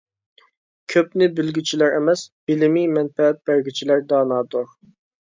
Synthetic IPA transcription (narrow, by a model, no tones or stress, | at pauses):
kʲʰøpnɪbɪlɡʲit͡ʃʰilæɾemɛsbɪlɪmijmɛnfɛɛt̪̚bæɾɡʲit͡ʃʰilæɾd̪ɑːnɑːd̪uɾ